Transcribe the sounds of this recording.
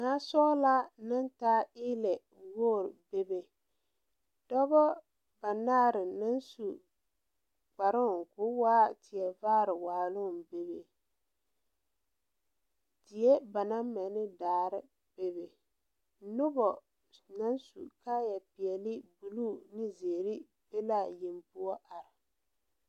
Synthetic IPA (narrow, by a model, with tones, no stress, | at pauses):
naː˨˦sɔː˦la˦na˦ntaː˦ɪː˦lɛ˨ | woː˦˨ɾbe˦be˨ | d̥ɔ˦bɔ˦ | ba˨naː˦˨ɾɪ˨na˦nsu˨ | k͡pa˨ɾʊ˦˨ŋ˨kʊ˨˦waː˦tɪ˨ɛ˨vaː˦ɾɪ˨waː˨lʊ˦˨be˨be˨ | tɪ˨jɛ˦ba˨na˦ma˨nɪ˦daː˨ɾɪ˦ | b̥e˨be˨˦ | nʊ˦bɔ˨ | na˦nsṵ˨ka˦jɛ˨pɪ˨ɛ˨lɪ˦bu˨luː˦˨nɪ˦ze˨ɾɪ˦ | be˦la˦˨je˨mpʊ˦ɔ˦ʔa˨ɾɪ˨